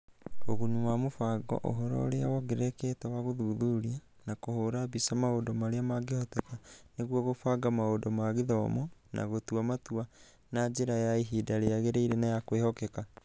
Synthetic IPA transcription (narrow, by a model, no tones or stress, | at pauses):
oɣuɲuwamofaɡɔ̰ʔo̰ɦɔɾɔ̰ɾeawɔɡeɾɛkɛtɛwaɣoðuðuɾia | nakohoːɾabisamaodɔmaɾeamaɡehɔtɛkaneɣwɔɣofaɡamaodɔmaɣeðɔmɔnʔa̰ɣotuamatua | nad͡ʒeɾajaiɦidaɾeaɣeɾeiɾenajakwehɔkeka